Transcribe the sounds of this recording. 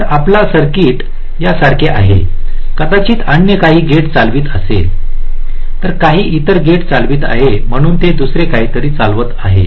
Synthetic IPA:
əɾaplasəɾkiːʈ | jasaɾkʰeʔa̰ɦḛkət̪at͡ɕiːt̪anjəkaɦiːɡʱeʈt͡salʋiːt̪əsḛl | t̪əɾkaɦiːʔit̪əɾɡʱeʈt͡salʋiːt̪a̰ɦem̤əɽ̃uːnt̪ed̪usɾekaɦiːt̪əɾiːt͡salʋət̪aɦḛ

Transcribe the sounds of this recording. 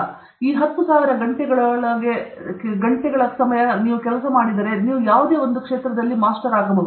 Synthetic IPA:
iːɦɐt̪ːusaːʋiɾɐɡɐɳʈɛɡɐɭɐɭɐɡe̞ɡɐɳʈɛɡɐɭɐsɐmɐjɐniːʋukɛlɐsɐmaːɽid̪ɐɾe̞niːʋujaːʋud̪e̞ːo̞nd̪ukʂeːt̪ɾɐd̪ɐlːimaːsʈɐɾaːɡɐbɐ

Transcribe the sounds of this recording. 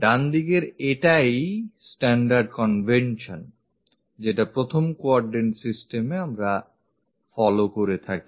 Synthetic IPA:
ɖand̪ikeɾeʈajsʈɛɳɖaɾɖ̚kɔnvʱenʃon | d͡ʑeʈapɾot̪ʰomkoaɾɖensisʈemeamɾa | fɔlokoɾet̪ʰaki

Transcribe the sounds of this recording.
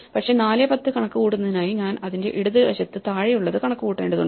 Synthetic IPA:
pɐkʂe̞naːlepɐt̪ːɨkɐɳɐkːɨkuːɽunːɐðinaːjiɲaːnɐðinde̞̰ʔiɽuðɐʋɐɕɐt̪ːɨt̪aːɻijuɭːɐðɨkɐɳɐkːɨkuːʈːḛːɳɖɨðuɳɖ

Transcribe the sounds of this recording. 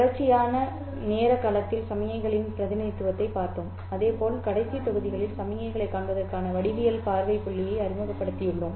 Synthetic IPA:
ɽɐt͡ʃːɪjaːnɐ | neːɾɐkːaːlɐt̪ːɪlsɐmɪjɐɪɣɐɭɪnpɪɾɐðɪnɐjt̪ːɯʋɐt̪ːɐɪpːaːɾt̪om | ɐðeːpoːlkɐɽɐɪsit̪ɐɣɯðɪɣɐɭɪlsɐmɪjɐɪɣɐɭɐɪkːaːɳʋɐðɐrkaːnɐʋɐɽɪʋɪjɐlpaːɾʋɐɪpːʊɭːɪjɐɪɐɾɪmɯɣɐpːɐɽɯt̪ːɪjɯɭːom

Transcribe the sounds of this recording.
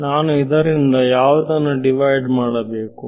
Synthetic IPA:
naːnuid̪ɐɾind̪ɐjaːʋud̪ɐnːuɖiʋɐjɖmaːɽɐbeːku

